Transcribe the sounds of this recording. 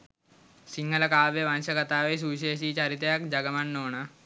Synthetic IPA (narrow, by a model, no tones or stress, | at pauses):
siŋɡɐlɐkaːʋeʋanɕɐkɐt̪aːʋes̬uʋiɕ̬eːs̬iːt͡ɕaɾit̪jakd͡ʒɐɡɐmanːoːɳa